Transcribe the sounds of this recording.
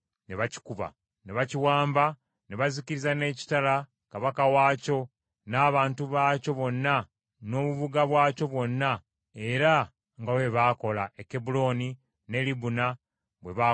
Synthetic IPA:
ne̞βaci̥kuβa̰ | ne̞βaciwaːmba | ne̞βaziciɾizane̞ːci̥tala | kaβakawaːco̞ | naːβaːntuβaːco̞βo̞nːa | no̞ːβuβuɡaβwaːco̞βwo̞nːa | eɾa | ŋɡawe̞βaːko̞laekːe̞bulo̞ni | ne̞libuna | βwe̞βa

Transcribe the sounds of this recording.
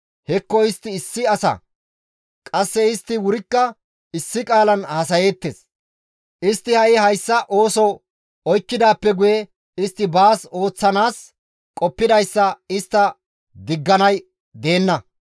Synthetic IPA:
hɛkːɔɪst̪ːɪːsːɪɐsɐ̰ | kʼɐsːɛɪst̪ːɪwʊɾɪkːɐ | ɪsːɪkʼaːlɐnhɐsɐjeːt̪ːeːs | ʔɪst̪ːɪhɐʔɪhɐjsːɐʔo̞ːsɔw | ɔjkːɪd̪aːpːɛɡʊjɛ | ɪst̪ːɪbaːso̞ːt͡sːɐnaːs | kʼɔpːɪd̪ɐjsːɐɪst̪ːɐ | d̪ɪɡːɐnɐj | d̪e̞ːnːɐ

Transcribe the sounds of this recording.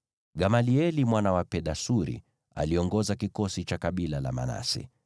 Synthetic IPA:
ɡamaliɛlimwanawapɛɗasuɾḭ | a̰liɔŋɡɔzakikɔsit͡ʃakaɓilala̰ma̰na̰sḭ

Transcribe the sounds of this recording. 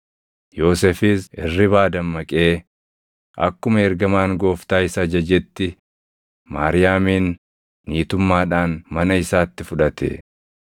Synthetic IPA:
jo̞ːsɛfɪsɪrːɪβaːd̪ɐmːɐkʼe̞ː | ʔɐ̰kːʊmɐɛɾɡɐmaːŋɡo̞ːft̪aːɪsɐd͡ʒɐd͡ʒɛt̪ːɪ | maːɾɪjaːmiːnː | iːt̪ʊmːaːᶑaːnmɐnɐɪsaːt̪ːɪfʊᶑɐt̪ʰɛ̰

